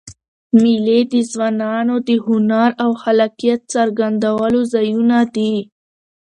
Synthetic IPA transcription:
miled̪əzwɑnɑnod̪əhʊnaɾawxalɑqijat̪̚saɾɡand̪awalozɑjunad̪i

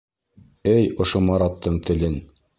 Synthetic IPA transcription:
ɘjŏʃomɑɾɑt̪ːɤɴt̪ɘ̆lɘn

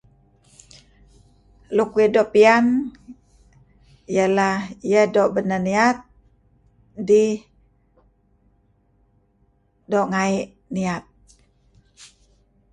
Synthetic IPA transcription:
lukwidoʔpian | jalahijədoʔbənəniat̪̚ | di | doʔŋaiʔ | niat̪̚

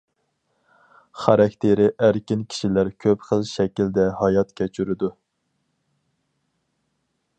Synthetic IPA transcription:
χɑɾɑkʲt̪ʰeɾɪʔæɾkʲinkʲʰi̥ʃilæɾkʲʰøpχəlˠʃɛkʲild̪ɛhɑjɑt̪kʲʰɛt͡ʃʰyɾɪd̪u

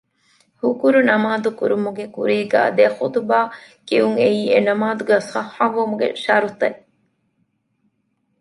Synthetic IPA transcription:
hukuɾunɐmaːd̪ukuɾumuɡekṵɾiːɡæ̰ːd̪exut̪baː | kiuŋeiːenɐmaːd̪uɡæːsɐhaʋumuɡḛʃɐːɾut̪ɐ

